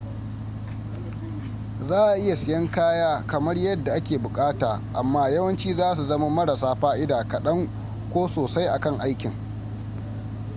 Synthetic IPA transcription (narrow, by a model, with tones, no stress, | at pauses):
zaː˦ʔa˨ʔɪ˦ja˨sɪ˨jɐ˦ŋkaː˦jaː˦kɐ˨mɐ˦rjɐ˦dːa˨ʔa˦kʲeː˨bʊ˨kʼaː˦taː˨ʔa˨mːaː˦jɐ˦wɐ˦nt͡ʃiː˦zaː˦s̬u˨zɐ˦ma˦mɐ˦ɽɐ˨saː˦ɸaː˦ʔɪ˦daː˨kɐ˨ɗɐ˦ŋ | kʷoː˦soː˨sa˦jʔa˨kɐ˦ŋʔa˦jkʲɪ˨ŋ